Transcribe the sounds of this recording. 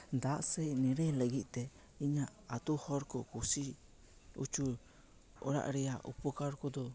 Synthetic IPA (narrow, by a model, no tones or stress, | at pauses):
d̪aʔsɛnɛɾɛləɡiʔt̪ɛ | iɲaat̪uhɔɾkɔkusi | ṵt͡ʃu | ɔ̰ɾa̰ʔɾɛaʔṵpɔkaɾkɔd̪ɔ